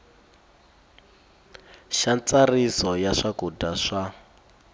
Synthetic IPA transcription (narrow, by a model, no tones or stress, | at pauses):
ʃant͡sarisɔjaʂakudaʂa